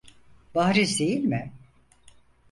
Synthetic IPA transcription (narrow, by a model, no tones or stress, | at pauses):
b̥aɦɾizd̪ejilʲmɪ